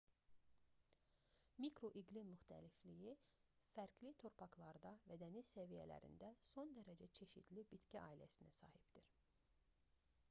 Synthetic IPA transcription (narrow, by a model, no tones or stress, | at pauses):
mikʰɾo̞ʔiɡlimyxt̪ʰæ̰liflijifæɾklit̪ʰo̞ɾpʰɑklˠɑɾd̪ɑvæd̪æniz̥sævijæ̰læ̰ɾḭnd̪æso̞nd̪æɾæd͡ʒæt͡ʃʰe̞ʃit̪libit̪cæʔɑːilæsinæsɑ̰ːhibd̪̥iɾ̥